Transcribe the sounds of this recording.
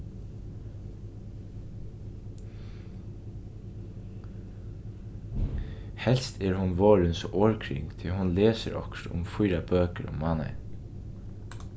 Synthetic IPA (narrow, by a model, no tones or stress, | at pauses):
hɛl̥st̪ʰɛɹhʊnʋoːɹɪnsoːɹkʰɾɪŋkt̪ʰɪlhʊnlɛːsɪ̰ɾɔ̰kʃt̪ʊ̰mfʊjɾabøːkəɾʊ̰mmːaːna̰